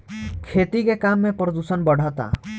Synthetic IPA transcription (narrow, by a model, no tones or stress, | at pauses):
kʰet̪ikekamːepɾəd̪usənbəɽ̤ʱɔt̪a̰